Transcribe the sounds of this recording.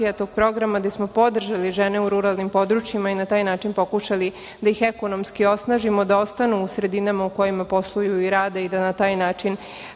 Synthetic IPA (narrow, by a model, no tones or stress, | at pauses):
ijat̪o̞ɡ̥̚pɾo̞ɡɾamad̪asmo̞po̞d̪r̩ʒaliʒeneuɾuɾalˠnimpo̞d̪ɾut͡ɕjimainat̪aːjnaːt͡ʃinpokuʃali | d̪ajixeko̞no̞mskio̞snaːʒimo̞d̪ao̞st̪anuːsɾe̞d̪inamauko̞jimapo̞slˠujuiɾaːd̪eid̪anat̪aːjnaːt͡ʃin